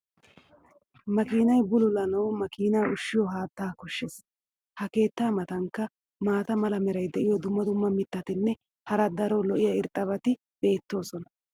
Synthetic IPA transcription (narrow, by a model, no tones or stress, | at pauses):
mɐkiːnɐjbʊlʊlɐnɐwmɐkiːnɐjʊʃːɪjɔɦaːt̪ːaːkɔʃːes | hɐke̞ːt̪ːaːmɐt̪ɐŋkːɐ | maːt̪ɐmɐlɐmɛɾɐjd̪ɛʔɪjɔd̪ʊmːɐd̪ʊmːɐmɪt̪ːɐt̪ɪnːɛ | hɐɾɐd̪ɐɾolɔʔɪjɐɪɾt̪ʼːɐβɐt̪ɪ | b̥e̞ːt̪ːo̞ːsɔnɐ̥